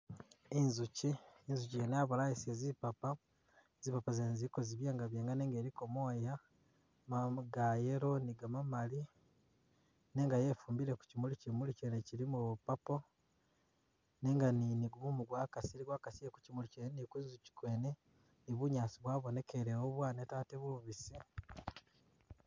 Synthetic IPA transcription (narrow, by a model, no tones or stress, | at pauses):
inzuciinzucijenaβuɾajisiezipapa | zipapazeːnziko̞ziβjeːŋɡaβjeːŋɡane̞ːŋɡeːɾiko̞mo̞ja | maɡajeɾo̞niɡamamali | ne̞ːŋɡaje̞ːfuːmbiɾeku̥cimulicimuliceneciɾimupapo | ne̞ːŋɡaniniɡuβumuɡwaːkasiɾiɡwaːkasijeku̥cimulicenenikizuci̥kwe̞ːne | niβuɲaːsiβwaːβo̞ne̞keɾewoβwaːnetaːteβuβisi